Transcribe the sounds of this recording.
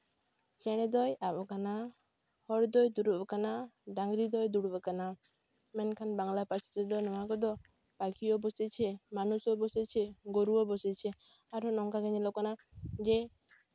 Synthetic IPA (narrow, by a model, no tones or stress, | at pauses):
t͡ʃɛɽ̃ɛd̪ɔjabɔkana | hɔɾd̪ɔjd̪uɽuʔɔkanaɖaŋɡɾid̪ɔjd̪uɽubɔkana | mɛnkʰanbaŋlapat͡ʃʰi̥t̪ɛd̪ɔnɔwakɔd̪ɔ | b̥akiɔbɔsɛt͡ʃʰɛmanusɔbɔsɛt͡ʃʰɛɡoɾuɔbɔsɛt͡ʃʰɛ | aɾɔnɔŋkaɡɛɲɛlɔkɔnad͡ʒɛ